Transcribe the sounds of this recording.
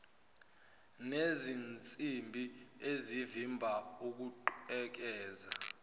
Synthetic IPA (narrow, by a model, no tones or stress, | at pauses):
nezint͡sʼimbʱiezivimbʱauk̬uǃɛk̬ɛːza